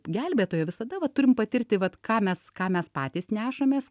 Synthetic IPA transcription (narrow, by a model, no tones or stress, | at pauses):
ɡʲɛlʲbʲeːt̪oːjɛʋʲɪsɐd̪ɐʋɐt̪ʊɾʲɪmpɐt̪ʲɪrʲt̪ʲɪʋɐt̪kɑːmʲɛskɑːmʲɛspɑːt̪ʲiːsnʲæːʃɐmʲeːs